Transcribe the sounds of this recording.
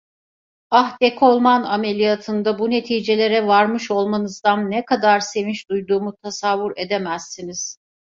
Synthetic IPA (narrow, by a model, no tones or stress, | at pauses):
ahd̪ekʰo̞lˠmaname̞lʲijat̪ʰɯnd̪abune̞t̪ʰiːd͡ʒe̞lʲe̞ɾɛvaɾmɯʃo̞lˠmanɯzd̪anːɛkʰad̪aɾse̞vint͡ʃd̪ujd̪uːmut̪ʰasavːuɾed̪emæzːiniz̥